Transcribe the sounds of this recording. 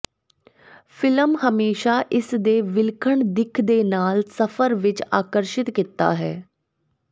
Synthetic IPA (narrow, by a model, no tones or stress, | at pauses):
pʰɪləmhəmeːʃaːʔɪsd̪eːʋɪlkʰəɳd̪ɪkʰd̪eːnaːlsəfʰəɾʋɪt͡ʃaːkəɾʃɪt̪kɪt̪ːa̰ːɦɛː